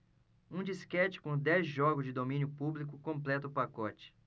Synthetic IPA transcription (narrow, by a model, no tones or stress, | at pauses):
ũd͡ʒiskɛt͡ʃɪ̥kõd̪ɛzʒɔɡʊzd͡ʒɪd̪omĩnjʊpublik̬ʊkõmplɛt̪ɐʊpakɔt͡ʃɪ̥